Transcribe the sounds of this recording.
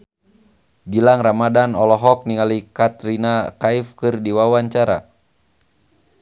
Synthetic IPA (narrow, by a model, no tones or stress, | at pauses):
ɡilaŋramadanɔlɔɦɔk̚niŋalikat̪ɾinakaifkɨrdiwawaɲt͡ʃaɾa̰